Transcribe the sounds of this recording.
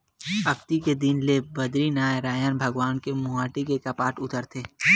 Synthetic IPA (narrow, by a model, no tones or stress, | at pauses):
ɐkt̪iked̪inlebɐd̪ɾinaːeɾaːjaːnbʱɐɡwaːnkemʊaːʈikekɐpaːʈʊt̪əɾt̪ʰeː